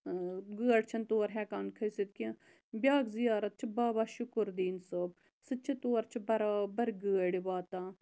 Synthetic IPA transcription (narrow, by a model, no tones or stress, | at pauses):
ɡəːɽt͡ʃʰɐnt̪oːɾɦɛːkaːnkʰɐjsit̪̚ki | bjaːkzijaːɾɐt̪̚t͡ʃʰibaːbaːʃukuɾd̪iːnsoːb̚ | sɨt͡ʃʰit̪oːɾt͡ʃʰibɐɾaːbɐɾɡəːɽiʋaːt̪ãː